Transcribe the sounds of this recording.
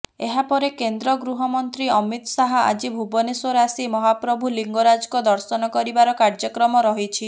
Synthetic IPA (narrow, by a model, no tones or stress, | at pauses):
eɦapɔɾekend̪ɾɔɡɾuɦɔmɔnt̪ɾiɔmit̪ɔsaɦɔa̰d͡ʒibʱubɔneswɔɾasimɔɦapɾɔbʱuliŋɡɔɾad͡ʒɔkɔd̪ɔɾsɔnɔkɔɾibaɾɔkaɾd͡ʒɔkɾɔmɔɾɔɦit͡ʃʰi